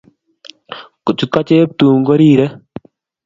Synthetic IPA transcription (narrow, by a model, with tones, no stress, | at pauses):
ko˨t͡ʃu˨t̪̚ka˦t͡ʃe˦p̚t̪u˨ŋɡo˦ɾiː˦ɾɛ˦